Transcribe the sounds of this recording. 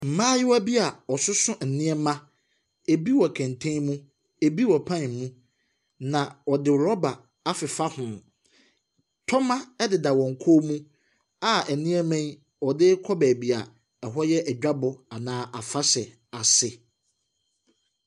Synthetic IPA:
m̩˨mãː˦jɪ˦wæ˦bi˦a˨ɔ˨sʊ˦sʊ̃˦n̩˨nĩ˦ɛ˦mã˦ | e˨bi˦wɔ˨kʰæ̃˨ntʰẽ˦mũ˦ | e˨bi˦wɔ˨pʰã˦n˨mũ˦ | nã˨ɔ˨dɪ˦ɾɔ˦ba˨ | a˦fɪ˨fa˦hʊ̃˨m | tʰɔ˦mã˦ɛ˦dɪ˨da˨wɔ̃˨ŋ̩˨kʰoː˦mũ˦ | a˨ɛ˨nĩ˦ɛ˦mɛ̃˦n | ɔ˨dɪ˦kʰɔ˦bɛ˨bi˨a˨ | ɛ˨ɦɔ˦jɛ˦ʔɛ˨d͡ʑᶣa˦bʊ˨a˨nãː˦ʔa˨fa˦sɛ˨ | a˨sɪ˨

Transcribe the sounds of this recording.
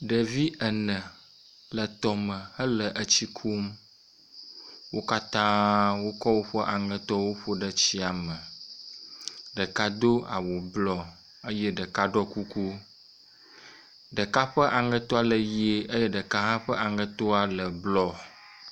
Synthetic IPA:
ɖə˨vi˦ʔə˨nə̃˨ | lə˨t̪ɔ˨mə̃˨hə˦lə˨ʔə˦t͡ɕi˦kʰu˦m | wo˦ka˦t̪ã˦wo˦kɔ˦wo˦ɸə˦ʔa˨ŋə̃˨t̪ɔ˦wo˦ɸo˦ɖə˨t͡ɕi˦a˨mə˨ | ɖə˨ka˦d̪o˦a̰˨wo˨blɔ˦ | ə˦jɛ˦ɖə˨ka˦ɖɔ˦ku˦ku˦ | ɖə˨ka˦ɸə˦ʔa˨ŋə̃˦t̪ɔ˦a˨lə˨je˦ə˦jɛ˦ɖə˨ka˦ɦã˦ɸə˦ʔa˨ŋə̃˨t̪o˦a˨lə˨blɔ˦

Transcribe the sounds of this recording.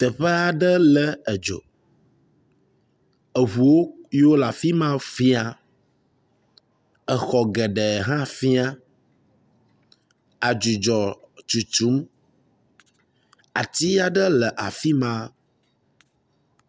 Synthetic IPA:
t̪ə˨ɸə˦a˨ɖə˦lə˦ɛ˨d͡ʒo̰˨ | ə˨ɦu˨wo˦jwo˦la˨fi˦mã˦fi˦a˦ | ə˨xɔ˨ɡɛ˨ɖɛ˨ɦã˦fi˦a˦ | a˨d͡ʒu˨d͡ʒɔ˨t͡ʃu˨t͡ʃu˦m | a˨t̪i˦a˨ɖə˦lə˨ʔa̰˨fi˦mã˦

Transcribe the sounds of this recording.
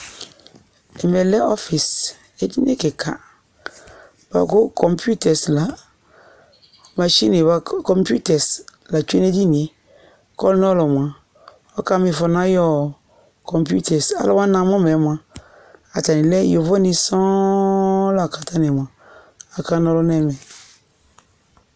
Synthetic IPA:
ɛ˨mɛ˨lɛ˦ʔɔ˦fi˨s | e˦di˦ne˦˨ke˨kʰa̰˨ | b̥a̰˨ko˦kʰɔ˨mpu˦tɛ˨sla˨ | ma˨ʃi˦ne˨βa˦kɔ˨mpu˦tɛ˨sla˨t͡ʃu˦e˦ne˦di˦ni˨e˨˦ | kɔ˦lnɔ˦lɔ˨m˨ã˨ | ɔ˦ka˦mi˨fɔ˨nã˦jɔ˦ | kʰɔ˨mpu˦tɛ˨sa̰˦lwã˦nã˨mɔ̃˦mɛ˨˦mʷ˨ã˨ | a˨ta˨nĩ˨lɛ˦jo˨vɔ˦ni˨sɔ̃˦ | la˨ka˨ta˦ne˨mʷ˨ã˨ | a˨ka˦nɔ˦lɔ˦nɛ˦˨mɛ˨

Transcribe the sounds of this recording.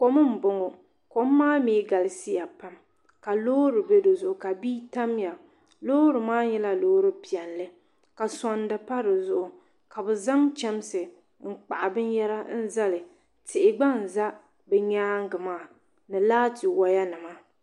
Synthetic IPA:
ko˦mɨ˦m̩˨bʊ˨ŋo˨ | ko˨mː˦aː˦miː˨˦ɡa˨lɪ˨si˦ja˨pa˦m | ka˨loː˦ɾɨ˨bɛ˦do˨zʊ˨ʔʊ˨ka˨biː˦ta˦mja˨ | loː˦ɾɨ˨maː˦ɲɛ˦la˦loː˦ɾɨ˦pi˨ɛ˨nlɨ˦ | ka˨sa˨nda˨pa˦ɾɨ˨zʊ˦˨ʔʊ˨ | ka˨bɨ˨za˦ŋt͡ʃɛ˦m˦sɨ˨ | ŋ̩˨k͡pa̰˨ʔa˨bɨ˦njɛ˦ɾa˦n̩˦za˦lɨ˨ | tɪ˨ʔɪ˨ɡ͡ba˦n˨za˦ | bɛ˨ɲaː˦ŋ˦ɡɨ˨maː˦˨ | nɨ˨laː˦tɪ˨wa˨ja˦nɨ˨ma˦

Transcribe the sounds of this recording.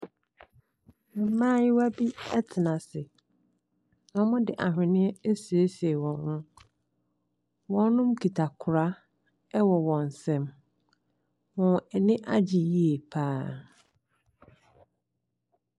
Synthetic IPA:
m̩˨m̩˦mãː˦jɪ˦wa˦bi˦ɛ˦tʰɪ˨nã˨sɪ˨ | nɔ̃˦mʊ̃˦dɪ˨ʔa˨ɦᶣɪ̃˨nɪ̃˦ɛ˦e˦si˨e˦se˨wɔ̃˨nhʊ̃˦ | wɔ̃˦nː˦ʊ̃˦mkʰi˨tʰa˨kʰʊ˨ɾa˦ | ɛ˦wɔ˨wɔ̃˨n̩˨sɛ̃˦m | wɔ̃˨ɛ˨nɪ̃˦ʔa˦d͡ʑɪ˨ji˦e˨pʰaː˦

